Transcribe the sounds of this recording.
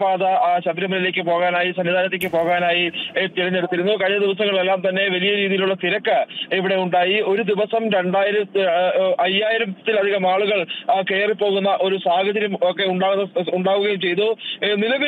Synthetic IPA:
paːðɐɕɐt̪ɾɐmɐnile̞ːkːɨpo̞ːɣaːnaːjisɐnːid̪ðaːnɐt̪ːeːk̬ʲːɨpo̞ːɣaːnaːjit̪iɾɐnːeɽut̪ːiɾunːukɐɻiɲːɐd̪iʋɐsɐŋːɐɭelːaːmt̪ɐnːe̞ʋɐlijɐɾiːðijiluɭːɐt̪iɾɐkːɨiʋiɽe̞uɳɖaːjio̞ɾud̪iʋɐsɐmɾe̞ɳɖaːjiɾɐ | ɐjaːjiɾɐmt̪ːilɐd̪ʱiɣɐmaːɭuɣɐɭke̞ːripːo̞ːɣunːɐʔo̞ɾusaːɡʱɐd͡ʑɐɾɐmokːe̞uɳɖaːɣunːɐuɳɖaːʋuɣɐjumt͡ɕe̞jt̪unilɐʋi

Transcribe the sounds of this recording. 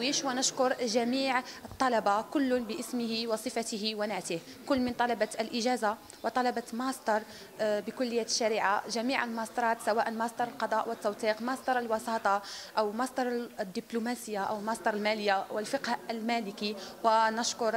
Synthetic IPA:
wiʃwənəʃkʊɾˤʒæmiʕət̪ˤːɑlɑbɑkʊlːʊnbəʔəsməhiwɑsˤəfæt̪əhiwænaʕt̪əhkʊlːmənt̪ˤɑlɑbɑlʔəʒæza | wət̪ˤɑlɑbɑmɑsd̪ɑɾˤ | bəkʊlːəjːæt̪ə̥ʃːæɾiʕaʒæmiʕəlmɑsˤd̪ɑɾˤɑt̪sæwæːʔənmɑsˤd̪ɑɾˤəlqɑd̪ˤɑʔwət̪ːɑwt̪ˤiqmɑsˤd̪ɑɾˤəlwɑsɑːt̪ˤɑʔəwmɑsd̪ɑɾˤd̪ːiblumæsəjːaʔəwlmɑsˤd̪ɑɾˤəlmæləjːawəlfəqhəlmæləkiwənəʃkʊɾˤ

